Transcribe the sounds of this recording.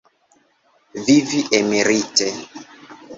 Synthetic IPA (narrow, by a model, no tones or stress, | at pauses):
viviʔemeɾitɛ